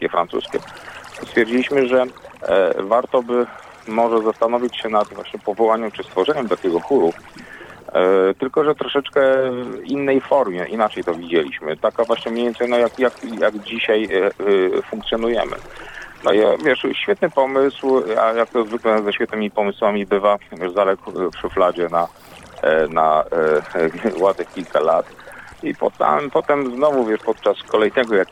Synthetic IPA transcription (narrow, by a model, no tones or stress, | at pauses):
kʲɛfɾa̰nt̪sṵskʲɛ̰st̪fʲjɛɾd͡ʑilʲiɕmɘʐɛ | vaɾt̪ɔbɘ | mɔʐɛzast̪anɔvʲit͡ɕɕɛnad̪vwa̰ɕɲɛpɔvɔwaɲɛmt͡ʂɘst̪fɔʐɛɲɛmt̪akʲɛɡɔxuɾu | t̪ɘlkɔʐɛt̪ɾɔʂɛt͡ʂkɛinːɛjfɔɾmʲjɛʔinat͡ʂɛjt̪ɔvʲid͡ʑelʲḭɕmɘ̰t̪akavwaɕɲɛmɲejʲɛnsɛnɔjakjakjaɡd͡ʑiɕaj | fũŋkt̪sʲjɔnujɛ̰mɘ̰nɔ̰ivʲjɛʂɕfʲɛt̪̚nɘpɔmɘswa̰jak̚t̪ɔzvɘklɛzɛɕfʲjɛt̪nɘmʲipɔmɘswamʲibɘvavʲjɛʐzalɛkpʂɘflad͡ʑɛna | na̰ | wad̪ɛkʲilkalat̪ipɔ̰t̪ɛ̰mpɔt̪ɛmznɔvuvjɛʂpɔt̪̚t͡ʂaskʰɔlɛjnɛɡɔjak